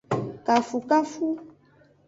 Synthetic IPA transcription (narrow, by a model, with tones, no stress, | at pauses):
ka˨fu˨ka˦fu˦